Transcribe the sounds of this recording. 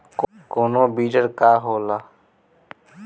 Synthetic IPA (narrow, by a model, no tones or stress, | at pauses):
k | koːnoːbiːʈəɾkaːɦoːlaː